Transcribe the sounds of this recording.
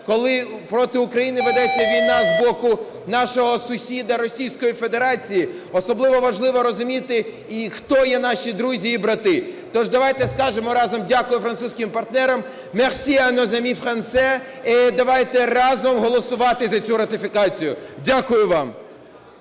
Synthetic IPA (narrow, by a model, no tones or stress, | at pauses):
kɔlˠɪpɾɔt̪ɪʊkɾɐjinɪʋɪd̪ɛt͡sʲːɐʋʲijnɑzbɔkʊ | nɑʃɔɦɔsʊsʲid̪ɐɾɔsʲijsʲkɔjifed̪e̞ɾɑt͡sʲiji | ɔsɔblˠɪʋɔʋɐʒlˠɪʋɔɾɔzʊmʲit̪ɪ | ixt̪ɔjɛnɑʃʲid̪ɾuzʲiːbɾɐt̪ɪt̪ɔʒd̪ɐʋɑjt̪ɛskɑʒemɔɾɑzɔmdʲakʊjʊfɾɐnsusʲkʲɪmpɐrt̪nɛɾɐmː | ɛxsʲijɐnɔzɐmʲifxɐnt̪sɛ | ɛd̪ɐʋɑjt̪ɛrɑzɔmɦɔlˠɔsʊʋɑt̪ɪzɐt͡sʲuɾɐt̪ɪfʲikɑt͡sʲijʊdʲakʊjʊʋɑm